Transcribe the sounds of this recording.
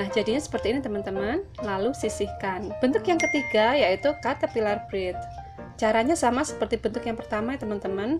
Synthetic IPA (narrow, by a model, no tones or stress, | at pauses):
nahd͡ʒadiɲasə̥pərt̪iːnit̪əmənt̪əmənlalusisihkanb̥ənt̪ʊkjaŋkət̪iɡajait̪ukat̪apilarbɾɪt̪̚ | t͡ʃaɾaɲasamasə̥pərt̪ibənt̪ʊkjaŋpərt̪amat̪əmənt̪əmən